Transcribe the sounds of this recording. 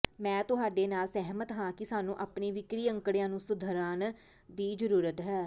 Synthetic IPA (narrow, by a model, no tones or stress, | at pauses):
mɛ̃ːt̪ʊɦaːɖeːnaːlsɛɦmət̪ɦãːkɪsaːnũːʔaːpniːʋɪkɾiːə̃ŋkɽjãːnũːsʊd̪ʱəɾaːn | d̪iːd͡ʒəɾuːɾət̪ɦɛː